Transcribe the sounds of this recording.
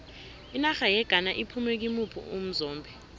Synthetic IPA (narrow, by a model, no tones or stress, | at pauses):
inaxajɛɡ̥ʱanaʔipʰumɛk̬imupʰṵum̩zɔːmbʱɛ